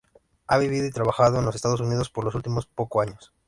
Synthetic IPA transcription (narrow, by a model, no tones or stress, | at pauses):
aβiβ̞iðo̞it̪ɾaβaxaðoenlosest̪aðo̞s̬unið̞o̞spoɾlo̞s̬ult̪imospokoaɲos